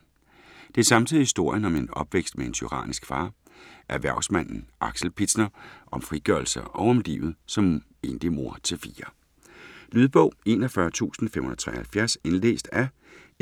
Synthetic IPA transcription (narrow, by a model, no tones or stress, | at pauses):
d̥e̝æɐsɑ̈mt͡sʰiðˠhisd̥o̝ɐ̰jənɒ̽me̝nɒ̽b̥ʋeɡ̥sd̥mee̝nt͡sʰyʁɑ̰̈ːnisɡ̥fɑ̈ː | ʔæɐʋæɐ̰smæn̰n̩ʔɑ̈ɡ̥sl̩pʰid̥snɐʔɒ̽mfʁiɡ̥ɶɐlsəʔɒʊɒ̽mlḭːʊð̩ˠsɒ̽m | e̝̰nd̥imo̝ɐ̰t͡sʰe̝lfiːɐ | lyð̞ˠb̥ɔ̽ʊ̰e̝ːnɒfɶɐt͡sʰṵːsn̩fem̰hun̩ðˠt͡sʰʁɛ̰hælfjæɐse̝nlḛːsd̥æ